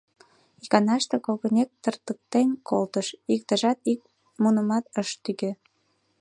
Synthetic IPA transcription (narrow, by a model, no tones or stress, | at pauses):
ikɑnɑʃt̪ĕkolɣə̆nʲek̚t̪ərt̪ək̚t̪enʲkolt̪əʃikt̪ə̆ʒɑt̪ik̚ | munə̆mɑt̪əʃt̪yɣø